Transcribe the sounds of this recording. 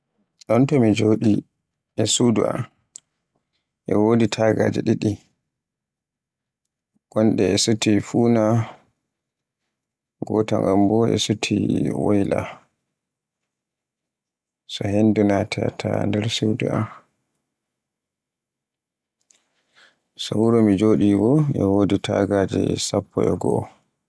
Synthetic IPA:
ɗɔntɔmid͡ʒoːɗi | ʔɛsuduʔa̰m | ʔɛ̰woːditʰaɡad͡ʒɛɗiɗi | ɡ̥ɔnɗɛɛsutifuːna | ɡɔtaŋɡambɔʔɛ̰sutʰḭwɔjla̰ | sɔhendunatʰɛatʰandɛɾsewdɛ̰am | sɔwuɾomid͡ʒoːɗiwɔʔɛ̰woːditʰa̰ɡaːd͡ʒɛ̰sapʰːɔʔɔɡɔɔ

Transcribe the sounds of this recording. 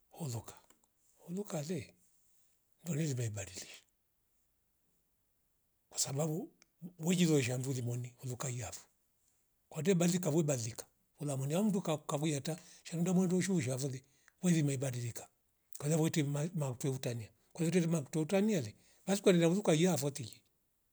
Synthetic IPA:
hɔlukḁ | hɔlukalɛ | ndɔnɛlimaibadiliʃḁ | kwḁsababuwɛd͡ʒizɔʃ̬andulimɔnihulukaiafu̥ | kwadɛbalikavwɛbalikḁ | ulamɔniam̩udukakavujataʃanundamwɛndɔʃuʃ̬afɔli | wɛðimaibadilikḁ | kwaaβɔtɛmamakutwɛutania | kwaðt̬ɛtɛmakutwɛutanialɛ | bas̬ikwanɛnauðukajiafɔtid͡ʒi̥

